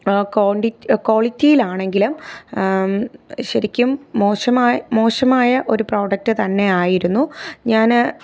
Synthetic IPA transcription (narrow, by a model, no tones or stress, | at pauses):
koːɳɖiko̞ːɭitːijilaːɳe̞ŋɡilum | ɕɐɾikʲːumːo̞ːɕɐmaːjmo̞ːɕɐmaːjɐʔo̞ɾupro̞ːɖɐk̚tːɨt̪ɐnːe̞aːjiɾunːuɲaːn